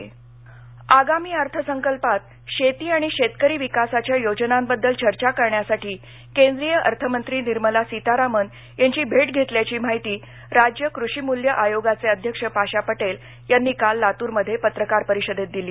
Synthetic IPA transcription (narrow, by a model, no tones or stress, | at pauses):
aɡamiːəɾt̪ʰəsəŋkəlpat̪̚ | ɕet̪iːaɽ̃iɕet̪kəɾiːʋikasat͡ɕjajod͡ʑənambəd̪ːəlt͡ɕəɾt͡ɕakəɾɳjasaʈʰiː | kẽnd̪ɾijəʔə̰ɾt̪ʰəmənt̪ɾiːniɾməlasit̪aɾamən | jaɲt͡ɕiːbʱeʈɡʱet̪ljat͡ɕiːm̤aɦit̪iː | ɾad͡ʑjəkɾuɕiːmuljəʔajoɡat͡seəd̪ʱjəkʂəpaɕapəʈel | janːiːkalːat̪uːɾməd̪ʱːjepət̪ɾəkaɾpəɾiɕəd̪ʱet̪̚d̪iliː